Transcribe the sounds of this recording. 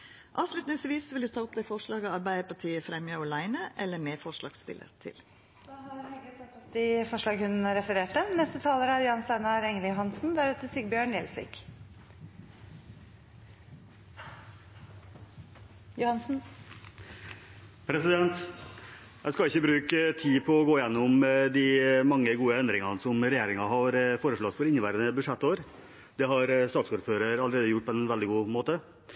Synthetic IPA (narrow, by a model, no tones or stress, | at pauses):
ʔɑːʋʂɭʉt̪nɪŋsʋiːsʋɪld̪ʉt̪ʰɑːʊp̚d̪æɪfɔʂɭɑːɡəɑɾbæɪəpʰɑʈʰiːəfɾɛmjɑɔlæɪnəʔɛlːəɾmeːfɔʂɭɑ̰ːɡst̪ɪ̰lə̰ɾt̪ʰɪ̰l | dɑhɑɛɡət̪ɛt̪ːɔpd̪ɪfɔʂlɑːɡhʉnɾɛfəɾeːʈd̪ɛmnɛst̪ət̪ʰɑːləɾəæɾjʊhɑnst̪æɪnɑɾɛŋəljʊɦɑnsnd̪æɾʉːt̪əsɪɡbjøːɳjɛlsɪ̰k | jʊhɑnsn̩ | pʰɾɛsɪd̪ɛnt̪ | jæ̰ɪskɑɪçːəbɾʉːkət̪ʰiːpʰɔːɡoːɪjɛnːʊmd̪ɪmɑŋːəɡuːəɛnd̪ɾɪŋɑnəsɔmɾɛjeːɾɪŋɑɦɑɾfoːɾəʂɭɔt̪fɔɾɪnːəʋæɪɾənəbʉʂɛt̪ːoːɾ | d̪̥ɛɦɑɾst̪ɑːɡsuːɾføːɾəɾɑləɾeːd̪əjʊʈ̚ːpʰɔɛnʋɛld̪ɪɡuːmoːt̪ə